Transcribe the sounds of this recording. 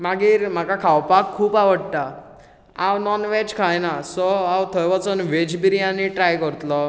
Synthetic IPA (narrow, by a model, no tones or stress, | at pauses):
maɡiːɾm̤akakʰawpakʰːuːpaʋəɽt̪a | ãwnɔnʋɛd͡ʑkʰajnasɔawt̪ʰəjʋət͡sɔnʋed͡ʑbiɾianːiʈɾajkəɾt̪lɔ